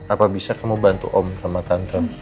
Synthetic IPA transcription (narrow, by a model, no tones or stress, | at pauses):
apabisakamubant̪ṵʔɔmsamat̪ant̪ə